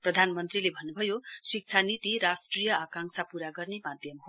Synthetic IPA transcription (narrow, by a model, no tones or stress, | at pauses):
prʌd̪ʱanmʌnt̪rilebʱʌnːubʱʌjosik̚t͡sʰanit̪iɾasʈrijʌakaŋksʰapuɾaɡʌrnemad̪ʱjʌmɦo